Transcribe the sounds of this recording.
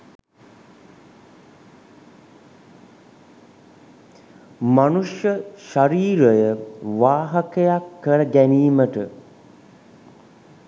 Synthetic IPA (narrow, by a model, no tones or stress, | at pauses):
manuʂjəʃaɾiːɾəjəʋaːɦakejakːəɾəɡæniːməʈə